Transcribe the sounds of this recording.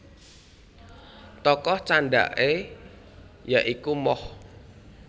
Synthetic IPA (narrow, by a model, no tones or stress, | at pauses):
t̪ɔkɔht͡ʃaɳɖa̰ʔe | jaʔikumɔh